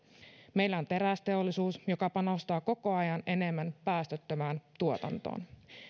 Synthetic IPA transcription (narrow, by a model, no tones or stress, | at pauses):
me̞ijlːæo̞nt̪e̞ɾæst̪e̞o̞lːisuːsjo̞kɑpɑnost̪ɑːko̞ko̞ɑjɑne̞ne̞mːænpæːst̪øt̪ːømæːnt̪uot̪ɑ̰nt̪o̰ːn